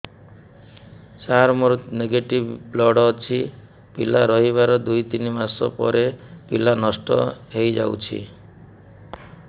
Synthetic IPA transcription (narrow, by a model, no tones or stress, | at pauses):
t͡ʃaɾmɔɾut̪neɡeʈibblɔɽɔt͡ʃʰi | pilaɾɔɦiβaɾɔd̪ujt̪inmaɾsɔ̰pɔ̰ɾepilanɔsʈɔ̰ɦejd͡ʒa̰wt͡ʃʰḭ